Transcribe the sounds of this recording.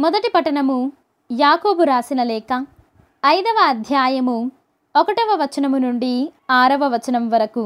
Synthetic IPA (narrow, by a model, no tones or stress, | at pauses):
mɔd̪ɐʈipɐʈɐɳɐmu | jaːkoːbuɾaːsinɐlɛːkɐː | jd̪ɐʋɐːd̪ʱjaːjɐmu | ɔkɐʈɐʋɐʋɐt͡ʃɐnɐmunuɳɖiaːɾɐʋɐʋɐt͡ʃɐnɐmʋɐɾɐku